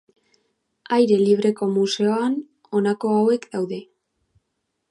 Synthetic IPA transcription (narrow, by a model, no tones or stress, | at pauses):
ajɾe̞liβ̞ɾe̞ko̞muse̞oan | o̞nako̞awe̞kd̪awðe̞